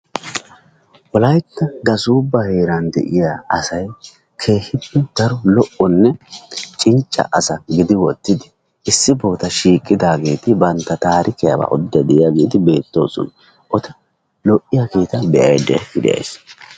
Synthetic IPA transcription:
ʔɔlɐjt̪ːɐɡɐsuːbːɐhe̞ːɾɐnd̪ɛ̰ʔɪjaːɐsɐj | kʰe̞ːhɪd̪ɪd̪̥ɐɾɔlɔʔɔnːɛt͡ʃʼɪnt͡ʃʼːɐ̰ʔɐsɐɡɪd̪ɪwɔt̪ːɪd̪ɪ̥ | ʔɪsːɪbo̞ːt̪ɐʃiːkʼːɪd̪aːɡe̞ːt̪ɪbɐnt̪ːɐt̪aːɾʔɪkɪja̰ba̰ʔɔ̰d̪ːɐd̪ɛɪjaɡe̞ːt̪ɪbe̞ːt̪ːo̞̰ːsɔ̰n | ʔɔt̪ɐ | lɔʔːɪjakiːt̪ɐb̪ɛʔɐjd̪ɛ̰ɡɪd̪ɛ̰jɐ̰js

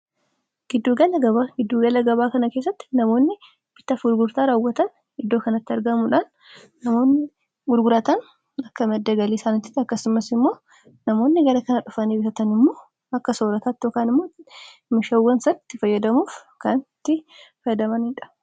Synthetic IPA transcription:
ɡ̥ɪd̪ːuːɡɐlɐɡɐbaɡɪd̪ːuːɡɐlɐɡɐβaːkɐnɐke̞ːs̬ːɐt̪ːɪ̥nɐmo̞ːnːɪ | b̥ɪt̪ːɐfɡʊɾɡʊɾt̪aːɾaːwːɐt̪ɐn | ɪd̪ːo̞ːkɐnɐt̪ːɪɐɾɡɐmʊᶑaːnː | ɐmo̞ːnːɪ | ɡʊɾɡʊɾɐt̪ɐn | ɐkːɐmɛd̪ːɐɡɐliːsaːnɪt̪ːɪ̥t̪ːɐkːɐsʊmɐsɪmːo̞ː | nɐmo̞ːnːɪɡɐlɐkɐnɐᶑʊfɐniːbɪfɐt̪ɐnɪmːoː | ɐkːɐso̞ːɾɐt̪aːt̪ːɪjoːkaːnɪmːo̞ː | mɪʃɐwːɐnsɐt̪ːɪfɐjːɐd̪ɐmuːf | kɐnt̪ːɪfɐjɐd̪ɐmɐnɪᶑɐ̥

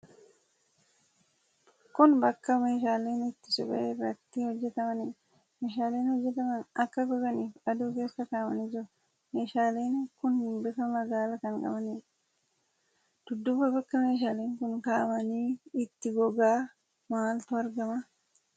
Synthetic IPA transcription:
kʊnbɐkːɐme̞ːʃaːle̞ːnɪt̪ːɪsʊbɛ̰ʔeːfɾɐt̪ːihɔd͡ʒːɛt̪ɐmɐni | meːʃaːle̞ːnhɔd͡ʒːɛt̪ɐmɐnɐkːɐɡɔɡɐniːfɐd̪uːke̞ːsːɐkaːmɐ̰nɪd͡ʒɪɾʊ | me̞ːʃaːle̞ːnkʊnhɪmbɪkɐmɐɡaːlɐkɐŋkʼɐ̰bɐniː | d̪̥ʊd̪ːʊbɐbɐkːɐme̞ːʃ̬aːleːŋkʊnkaːɐmɐniːɪt̪ːɪɡɔɡaː | maːlt̪ʊɐɾɡɐmɐ

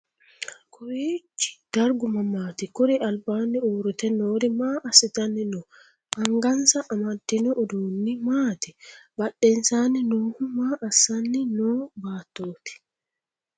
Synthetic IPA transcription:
kʰʊɾiːt͡ʃːɪ̥d̪̥ɐɾɡʊmɐmaːt̪ɪkʊɾiʔɐlbaːnːɪoːɾʊt̪ɛnoːɾɪmaːɐsɪt̪ɐnːɪnɔ | ɐŋɡɐnsɐʔːmɐd̪ːɪnɔʔːd̪uːnːimaːt̪ɪbɐɗːɛnsaːnɪnoːhʊmaːʔɐsɐnːɪnoːbaːt̪ːoːt̪i̥

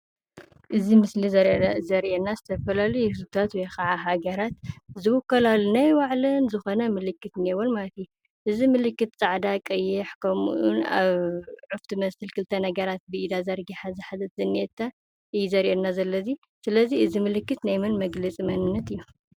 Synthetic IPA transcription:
ʔɨzimɨslizɐɾʔzɐɾʔenːazɨt̪ʰɐfɐlalɐjuhɨzbt̪ʰat̪wɔjxaʕaɦaɡɐɾat̪̚zɨwʊkːɐlalunajwaʕlɐnzɨxo̞nɐmɨlɨkːɨt̪newolmalɐt̪ju | ʔɨzimɨlɨkːɨt̪t͡sʼaʕd̪akʼɐjːɪħkʰɐmuʔuna̰βʕuft̪ʰimɐsɨlkʰɨlt̪ʰɐnɐɡɐɾat̪̚bɨʔid̪azɐɾɡiħazɨħazɐt̪zɨniet̪ʰːa | ʔɨjuzɐɾʔenːazɐlːɐzi | sɨlɐziɨzimɨlɨkːɨt̪najmɨnmɐɡlɐt͡sʼimɐnɨnːɐt̪ɨjːu

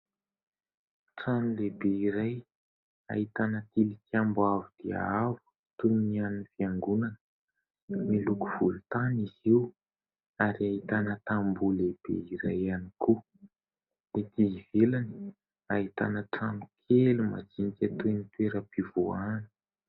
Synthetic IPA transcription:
ʈ͡ʂanulebeiɾaj | a̰it̪anət̪ilikambavud̪ia̰avu̥ | t̪uninianinifiaŋɡunanə | nilukuv̥ulut̪aniziw | aɾiaɦit̪anət̪ambuleb̥ḛiɾajaniku | let̪iivelani̥ | aɦit̪a̰nəʈ͡ʂanukʰeluma̰d͡ʒinikʲat̪uenit̪weɾəpivuanə̥

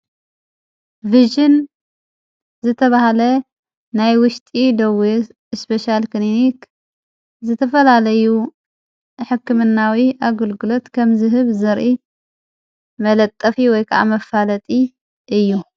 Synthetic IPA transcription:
viʒɨn | zɨt̪ʰɐβahalɐ | najwʊʃt̪ʼid̪ɐwi | spʰeʃalkinik | zɨt̪ʰɐfɐlalɐju | ħɨkːɨmɨnːawiʔaɡɐlɡɨlo̞t̪kʰɐmzɨɦɨβzɐɾʔi | mɐlɐt̪ʼːɐfiwɔjkʰɐʔa̰mɐfːalɐt̪ʼi | ʔɨjːu

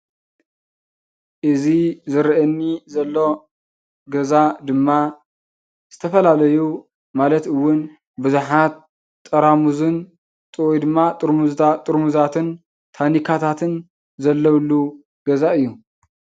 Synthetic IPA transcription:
ʔɨzizɨɾʔɛnːizɐlːo̞ | ɡɐzad̪ɨmːa | z̥ɨt̪ʰɐfɐlalɐju | malɐt̪ɨwːʊn | bɨzuħat̪ʼː | ɐɾamuzɨn | t̪ʼɨwjd̪ɨmːat̪ʼɨɾmuzʰat̪ʼɨɾmuzat̪ʰɨn | t̪ʰanikʰat̪ʰat̪ʰɨn | zɐlːɐwlːu | ɡ̥ɐzaɨjːu

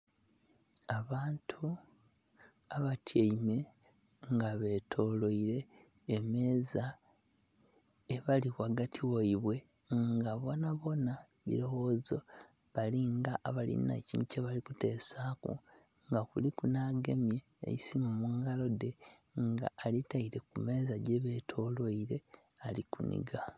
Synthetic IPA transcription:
aβaːntʰu | aβatʰjaime̞ | ŋɡaβe̞tʰo̞lo̞iɾe̞ː | me̞ːza | eβalikwaɡatʰiwoiβwe̞ | ŋɡaβo̞naβo̞na | βḭɾo̞wo̞zo̞ | βaliŋɡaʔːβalḭna̰cḭnuceβalikute̞ːsaːkṵ | ŋɡakulikunaɡe̞mjḛːjisimomuŋɡalo̞de̞ŋɡa̰ːlitaiɾe̞kume̞ːzaɟeβe̞tʰo̞ːlwoiɾe̞ | alḭkunḭɡa

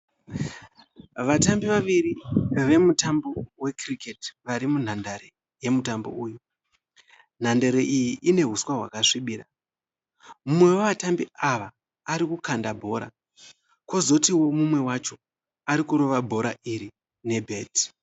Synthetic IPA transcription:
ʋatambiʋaʋiɾiʋe̞mutambowe̞kriketʋaɾimun̤andaɾe̞ | je̞mutambo̰uːju | n̤andaɾeʔijiʔine̞ɦuswaɦwa̰kaʂiɓiːɾa | mumwe̞waʋatambiaʋaː | ɾikukandabʱo̞ːɾa̰ | ko̞zo̞tiwo̞mumwe̞wat͡ʃo̞ | aɾikuɾo̞ʋabʱo̞ɾaʔiɾi | ne̞bʱe̞ːti̥

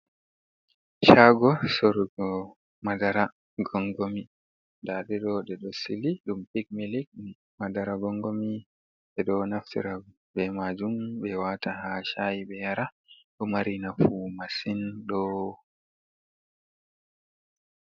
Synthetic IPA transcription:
ʃaɡɔsoɾuɡɔ | madaɾa | ɡɔŋɡomi | daɗɛɗɔɗɛɗɔsiliɗumpik̚melik̚ | madaɾaɡɔŋɡomi | ɛɗɔnaftḭɾa | bɛmad͡ʒumbɛwatahaʃajiɓɛjaɾa | ɗɔmaɾinafumasinɗɔ

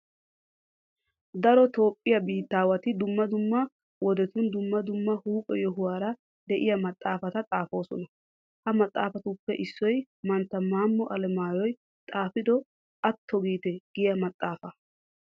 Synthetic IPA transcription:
d̪ɐɾɔt̪o̞ːpʼːɪjɐbiːt̪ːaːwɐt̪ɪd̪ʊmːɐd̪ʊmːɐ | wɔd̪ɛt̪ʊnd̪ʊmːɐd̪ʊmːɐhuːpʼɔjɔɦʊwaːɾɐ | d̪ɛʔɪjɐmɐt̪ʼːaːfɐt̪ɐt̪ʼaːfo̞ːsɔnɐ | hɐmɐt̪ʼːaːfɐt̪ʊpːɛʔɪsːɔj | mɐnt̪ːɐmaːmːɔʔɐlɛmaːjɔj | t̪ʼaːfɪd̪ɔ | ʔɐt̪ʰːɔɡiːt̪ɛɡ̥ɪjɐmɐt̪ʼːaːfɐ

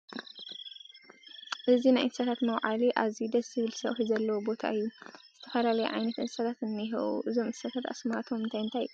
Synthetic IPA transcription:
ʔɨzinajʔɨnsat̪ʰat̪mɐwʕaliʔaβzid̪ɐsɨβɨlsɐβħizɐlːɐwobo̞t̪ʰa̰ɨjːuzɨt̪ʰɐfɐlalɐjuʕa̰jnɐt̪ɨnsat̪ʰat̪ɨnːiɦɐ̰ʔṵʔɨzo̞mɨnsat̪ʰat̪a̰smat̪ʰo̞mɨnt̪ʰajɨnt̪ʰaj

